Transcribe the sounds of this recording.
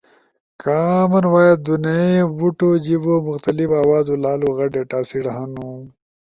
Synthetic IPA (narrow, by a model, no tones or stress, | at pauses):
kʰaːmɐnwaːjad̪unaebuʈod͡ʑibomʊxt̪ɐlifaːwɑːzolaːloɣɐɖeʈaːsiɽaɦanu